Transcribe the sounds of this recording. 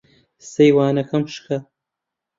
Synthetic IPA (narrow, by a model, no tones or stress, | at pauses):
sejwaːnɐkʰɐmʃkʰɐ